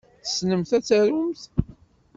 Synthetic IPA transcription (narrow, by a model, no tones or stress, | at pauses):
θə̥snəmθæt͡sːæɾumθ